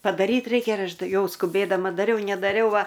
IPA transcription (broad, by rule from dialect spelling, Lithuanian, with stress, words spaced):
pɐdɐˈrʲiːt ˈrʲɛɪkʲɛ ɪr ˈɐʃ ˈtɐɪ ˈjɛʊ skʊˈbʲeːdɐmɐ dɐˈrʲɛʊ nʲɛdɐˈrʲɛʊ ˈʋɐ